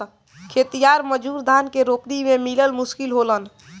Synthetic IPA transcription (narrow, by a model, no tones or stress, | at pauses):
kʰet̪ijaɾməd͡ʒuɾd̪ʱankeɾokɾimemiləlmuskilɦolən